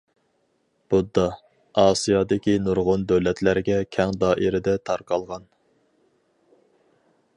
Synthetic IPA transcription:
b̥ud̪ːɑ | ɑːsijɑd̪ɪkʲinuɾʁʊnd̪øwlɛt̪ʰlæɾɪɡʲɛkʲʰɛŋd̪ɑːʔiɾɪd̪ɛt̪ʰɑɾqɑlˠʁɑn

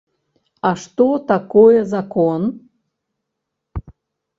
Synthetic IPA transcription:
ɑʃt̪ot̪akojəzakon

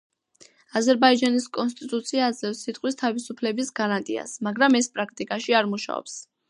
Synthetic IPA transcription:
azɛɾbaid͡ʒaniskʼɔnst̪ʼit̪ʼut̪sʰiazɛvsit̪ʼqʼwist̪ʰavisupʰlɛbisɡaɾant̪ʼḭa̰smaɡɾamɛspʼɾak̚ʰt̪ʼikʼaʃiaɾmuʃa̰ɔ̰ps

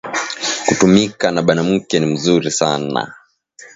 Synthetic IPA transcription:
kutumikanaɓanam̩kɛnim̩zuɾisana̰

